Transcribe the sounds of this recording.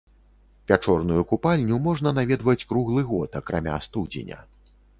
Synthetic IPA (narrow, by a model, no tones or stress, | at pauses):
pʲat͡ʂɔrn̪ujukupalʲnʲumɔʐnɐnavʲɛd̪vɐt͡sʲkɾuɣlˠɨɣɔt̪ɐkɾʔamʲa̰st̪ud͡zʲḛnʲɐ̰